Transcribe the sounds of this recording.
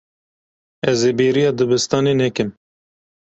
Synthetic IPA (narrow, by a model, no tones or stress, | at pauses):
ɛzeːbeːɾijɑːd̪ɨbɨst̪ɑːneːnɛkɨm